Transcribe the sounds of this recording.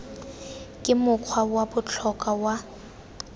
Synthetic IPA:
kʼɪmʊkʰwawabʊt͡ɬʰɔkʼawa

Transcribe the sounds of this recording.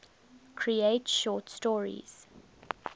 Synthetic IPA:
kʰɹieɪtʃɔːtstɔːɹḭz̥

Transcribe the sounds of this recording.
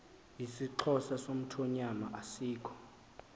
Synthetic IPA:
isiǁʰɔsasom̩tʰɔɲamaʔasiːkʰɔ̥

